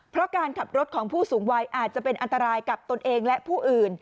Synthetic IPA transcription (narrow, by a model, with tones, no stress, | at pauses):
pʰɾɔ˦˥kaː˧nkʰa˨˩p̚ɾo˦˥t̪̚kʰɔː˩˦ŋpʰuː˥˩suː˩˦ŋwa˦˥jʔaː˨˩t̪̚t͡ɕa˨˩ʔpe˧nʔa˧nt̪a˧ɾaː˧jka˨˩p̚t̪o˧nʔeː˧ŋlɛ˦˥ʔpʰuː˥˩ʔɯː˨˩n